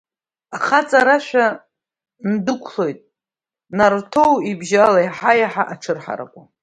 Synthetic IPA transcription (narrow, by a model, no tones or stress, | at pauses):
aχat͡sʼaɾaʃʷᶣa | ndɨkʷʰlo̞jtʼ | nartʰo̞wibʒalajaħajaħaʔaʈ͡ʂʰɨrħa̰ɾa̰kʷʼa